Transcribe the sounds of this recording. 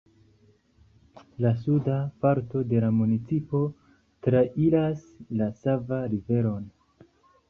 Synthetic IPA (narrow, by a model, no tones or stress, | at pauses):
lasudapaɾto̞de̞lamunit͡sipo̞ | tɾaʔilas | lasavaɾive̞ɾo̞n